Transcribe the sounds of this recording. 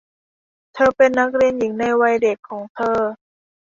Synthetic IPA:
t̪ʰɤː˧pe˧nːa˦˥k̚ɾi˧ənji˩˦ŋna˧jwa˧jde˨˩kʰːɔː˩˦ŋt̪ʰɤː˧

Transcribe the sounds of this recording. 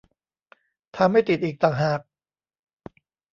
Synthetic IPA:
t̪ʰa˧mːa˥˩jt̪i˨˩t̪̚ʔiː˨˩k̚t̪aː˨˩ŋɦaː˨˩k̚

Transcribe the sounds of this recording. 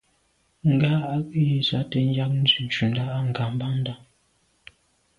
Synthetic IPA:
ŋ̩˨ɡa˦a˦ji˨sa˨˦tɛ˨n̩˦ja˦k̚n̩˦zʉ˨n˨t͡ʃu˨n̩˦da˦ʔa˦ŋ̩˨ɡa˨m̩˦ba˦n̩˦da˦ŋ

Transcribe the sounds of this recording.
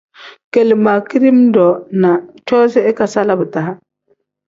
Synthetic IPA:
ke˨lma˨ki˦ɾi˦mdɔ˨na˨t͡ʃɔ˦se˦e˦ka˨sa˦la˦bu˨ta˨ha˦

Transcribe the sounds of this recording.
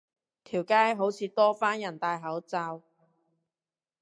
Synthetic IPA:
t̪ʰiː˨˩wkaː˥jɦo˨˥wt͡sʰiː˨˧t̪ɔː˥faː˥njɐ˨˩nt̪aː˧jɦɐ˨˥wt͡sa˧w

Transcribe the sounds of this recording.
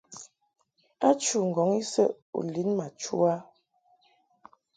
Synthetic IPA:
a˦t͡ʃu˨ŋ̩˨ɡɔ˨˦ŋi˦sə˦ʔ | ṵ˨li˨˦nma˨t͡ʃṵ˦a˦

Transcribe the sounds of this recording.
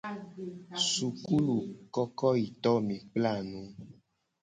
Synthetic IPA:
su˨ku˦lu˨kɔ˦kɔ˦i˨t̪ɔ˦mĩ˨k͡pla˦˨nũ˦

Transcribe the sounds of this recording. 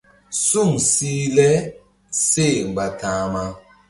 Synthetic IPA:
su˦˨msiː˦lɛ˦ | se˦˨ŋ͡m̩˨ɡ͡ba˨tãː˨˦ma˦

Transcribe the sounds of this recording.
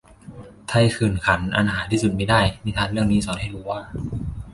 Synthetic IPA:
t̪ʰa˧˩jkʰɯː˨˩nkʰa˩˦nʔa̰˧nhaː˩˦t̪ʰiː˥˩su˨˩t̪̚maː˧˩jdaː˥˩jmiː˧˩t̪ʰaː˦˥˩nɾɯ˥˩əŋniː˦˥sɔː˩˦nha˥˩jɾuː˦˧˥waː˥˩

